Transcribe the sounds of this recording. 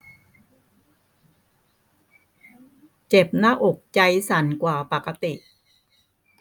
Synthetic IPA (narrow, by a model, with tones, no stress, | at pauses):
t͡ɕe˨˩p̚naː˥˨ʔo˨˩k̚t͡ɕa˧jsa˩˦nkwaː˨˩pa˨˩ka˧t̪i˨˩ʔ